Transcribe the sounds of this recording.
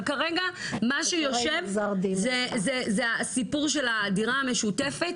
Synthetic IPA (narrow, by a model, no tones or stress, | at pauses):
kaʁeɡamaʃejoʃevd̪izezezeasipuʁʃeladiʁaːme̞ʃutefet̪